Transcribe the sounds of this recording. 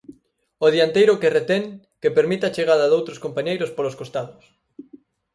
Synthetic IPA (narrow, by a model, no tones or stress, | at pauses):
oðiant̪ejɾʊkeret̪ɛŋ | kepeɾmit̪at͡ʃeɣ̞aðɐðowt̪ɾoskompaɲejɾʊspoloskost̪aðʊs